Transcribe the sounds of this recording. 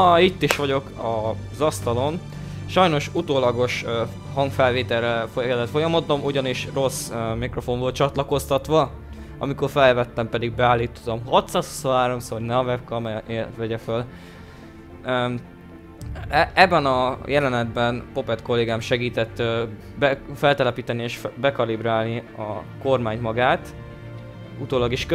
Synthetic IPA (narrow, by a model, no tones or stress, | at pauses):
it̪ːiʃʋɒɟo̞kɒ | zɒst̪ɒlo̞n | ʃɒjno̞ʃut̪oːlɒɡo̞ʃ | hɒŋɡfɛlveːt̪ɛrːɛfokɛd̪ɛt̪fo̞jɒmod̪o̞muɟɒniʃro̞smikro̞fo̞ɱvol̚t͡ʃɒt̪lɒko̞st̪ɒt̪ʋɒ | ɒ̰miko̞rfɛlːɛvɛt̪ːɛmpɛd̪iɡ̚bɛaːlːiːt̪ːt̪omhɒt̪saso̥soɦaːɾo̞msonɛɒvɛp̚kɒmɛevɛɟɛføl | ɛbːɛnɒjɛlɛnɛd̪bɛnpo̞pɛt̪ko̞lːeːɡaːmʃɛɡiːt̪ɛt̪ː | bfɛlt̪ɛlɛpiːt̪ɛnieːʃbɛkɒlibɾaːlniɒ̰ko̞rmaːɲt̪mɒɡaːt̪ | ut̪oːlɒɡiʃk